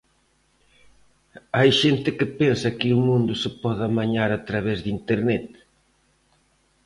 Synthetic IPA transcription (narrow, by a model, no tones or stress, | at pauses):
ajʃent̪ɪkɪpɛnsɐkiomũnd̪ʊsɪpɔðamaɲaɾat̪ɾaβɛzðint̪eɾnɛt̪